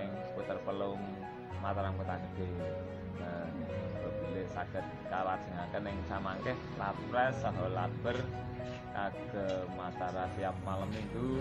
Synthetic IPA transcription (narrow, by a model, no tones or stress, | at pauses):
ɪŋput̪ərpəlʊŋ | mat̪aɾaŋput̪anib̥e̤ | nəb̥ə̤b̥ulɛhsaɡ̥ət̪̚kalḁsə̤ŋakənɪŋsamaŋkɛh | la | ɾɛsaɦɔlab̥ər | kaɡ̥ə̤mat̪aɾasiap̚maləmiŋɡu